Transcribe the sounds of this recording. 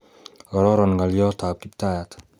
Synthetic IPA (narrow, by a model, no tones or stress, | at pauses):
ɡɔɾɔɾɔnɡalijɔt̪ap̚kip̚t̪ajat̪